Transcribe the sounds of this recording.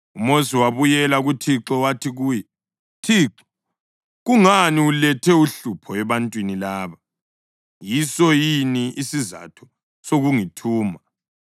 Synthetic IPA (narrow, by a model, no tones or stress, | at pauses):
umosiwaβujɛlaɣutʰiǁɔwatʰiɣuːjɛ | tʰiːǁɔ̥ | ɣuŋaniulɛtʰɛuɬupʰɔɛβantʼwinilaːβa | jisɔjiniisiza̰tʰɔ̥ | soɣuŋitʰuːma